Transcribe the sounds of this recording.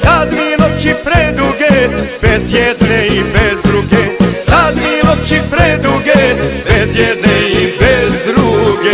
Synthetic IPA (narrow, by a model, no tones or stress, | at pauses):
sad̪mimot͡ʃipɾed̪uɡebezjɛd̪neibezd̪ɾuɡesad̪mimopt͡ʃipɾed̪uɡebezjɛd̪neibezd̪ɾuɡe